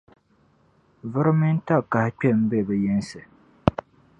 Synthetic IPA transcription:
vɨ˦ɾɨ˦mɪ˦n˦ta˦ka˨hɪ˨˦k͡pɛ˦˨m̩˦bɛ˦˨bɛ˨jɛ˦n˦sɨ˨

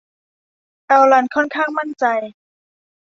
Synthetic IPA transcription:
ʔɛ˧wla˧nkʰɔ˥˩nkʰaː˥˩ŋma˥˩nt͡ɕa˧j

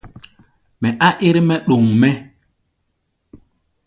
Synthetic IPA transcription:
mɛ˨ʔa˦ʔi˦ɾmɛ˦ɗo˨ŋmɛ˦

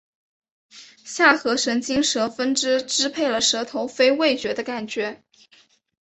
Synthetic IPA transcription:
ɕja˥˩xɤ˧˥ʂə˧˥ŋt͡ɕi˥ŋʂɤ˧˥fə˥nʈ͡ʂɻ̩˥ʈ͡ʂɻ̩˥pʰe˥˩ɪlə˩ʂɤ˧˥t̪ʰo˧˥ʊfe˥ɪwe˥˩ɪt͡ɕɥɛ˧˥d̪ə˧ka˥˩nt͡ɕɥɛ˧˥

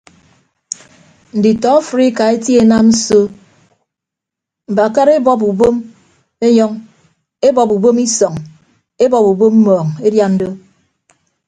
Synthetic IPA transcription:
n̩˨di˨tɔ˨˦fɾi˦ka˨e˦tji˦e˨na˦mn̩˦so˦ | m̩˨ba˨ka˦ɾe˦bɔ˦p̬u˨bo˦m | e˦ɲɔ˦ŋ | e˦bɔ˨pu˨bo˦mi˦sɔ˨ŋ | e˦bɔ˨pu˨bo˦m̩˦mɔː˨ŋe˦dja˦n̩˦do˦

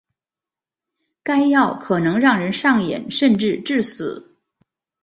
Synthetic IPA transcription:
ka˥ɪjɑ˥˩ʊkʰɤ˨˩nɤ˧˥ŋɻɑ˥˩ŋɻə˧˥nʂɑ˥˩ŋjɛ̰˨˩˦nʂə˥˧nʈ͡ʂɻ̩˥˧ʈ͡ʂɻ̩˥˩sɹ̩˨˩˦

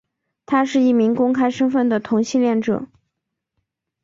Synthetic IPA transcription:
t̪ʰa˥ʂɻ̩˥˧i˥˩mi˧˥ŋkʊ˥ŋkʰa˥ɪʂə˥ŋfə˥˩nd̪ə˩t̪ʰʊ˧˥ŋɕi˥˧nljɛ˥˩nʈ͡ʂɤ̰˨˩

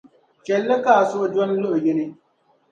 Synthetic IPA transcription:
t͡ʃɛ˨lːɛ˦kaː˦˨sʊ˦ʔd͡ʒɔ˦nlʊ˦ʔʊ˨jɪ˦nɪ˦

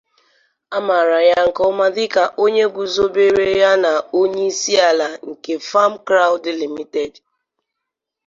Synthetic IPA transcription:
a˦ma˨ɾa˨ja˦ŋ̩˨kɔ˦ma˦dɪ˦ka˨ʔo˦ɲe˦ɡʷu˨zo˦be˦ɾe˦ja˦na˨o˦ɲe˦i˦si˦a˨la˨ŋ̩˨ke˨fa˦m̩˦kɾa˦ʊ˦dɪ˨li˨mi˦te˨d

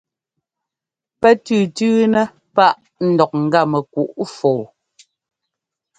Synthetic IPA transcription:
pɛ˦tʉː˦˨tʉː˦nɛ˦ | pa˦ʔ | n̩˨dɔ˨k̚ŋ̩˨ɡa˦˨mɛ˨ku˨ʔfo˨w

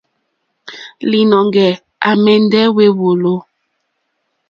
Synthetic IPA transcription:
li˨nɔ˨ŋɡɛ˨ | a˨mɛ˨n˦dɛ˦we˦wo˨lo˦

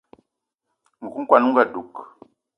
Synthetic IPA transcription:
ŋ̩˨ɡu˦ŋ̩˦kwa˨nu˦ŋ̩˦ɡa˨ɗu˨k

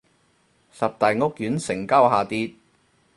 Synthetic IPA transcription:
sɐ˨p̚t̪ɐ˨jŋʊ˥k̚jyː˨˥nsɪ˨˩ŋkɐ˥wɦaː˨t̪iː˧t̪̚

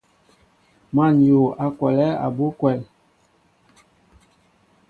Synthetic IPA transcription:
ma˨njo˨a˨kwɛ˨lɛ˦a̰˨bo˦kwɛ˨l

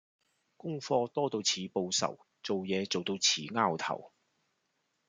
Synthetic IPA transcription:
kʊ˥ŋfɔː˧t̪ɔː˥t̪o˧wt͡sʰiː˨po˧wsɐ̰˨˩w | t͡so˨wjɛː˨˧t͡so˨wt̪o˧wt͡sʰiː˨˥ŋaː˥wt̪ʰɐ̰˨˩w

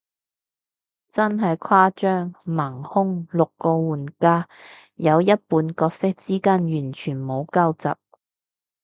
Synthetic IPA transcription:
t͡sɐ˥nɦɐ˨jkʰwaː˥t͡ʃœː˥ŋmɐ˨˩ŋhʊ˥ŋlʊ˨kːɔː˧wuː˨˩nkaː˥ | jɐ˨˧wjɐ˥t̚puː˨˧nkɔː˧k̚sɪ˥k̚t͡siː˥kaː˥njyː˨˩nt͡ʃʰyː˨˩nmo˨˧wka˥wt͡sɐ̰˨p̚

